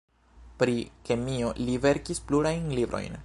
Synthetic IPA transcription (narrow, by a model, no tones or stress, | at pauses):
pɾike̞mio̞live̞ɾkispluɾajnlibɾo̞̰jn